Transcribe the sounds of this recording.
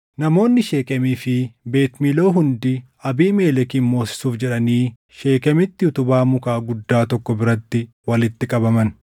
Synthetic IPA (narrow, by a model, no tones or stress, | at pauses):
nɐmo̞ːnːɪʃe̞ːkʼɐmiːfɪbe̞ːt̪milo̞ːɦʊnd̪ɪ | ɐbiːme̞ːlɛkiːnmo̞ːsɪ̥suːfd͡ʒɛᶑɐniː | ʃe̞ːkʼɐmɪt̪ːɪʊt̪ʊbaːmʊkaːɡʊd̪ːaːt̪ɔkːɔbɪɾɐt̪ːɪ | wɐlɪt̪ːɪkʼɐbɐmɐn